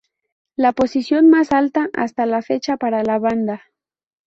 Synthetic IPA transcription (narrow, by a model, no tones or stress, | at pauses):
lapo̞sisjo̞nmasalt̪aʔa̰st̪alafe̞t͡ʃapaɾalaβand̪a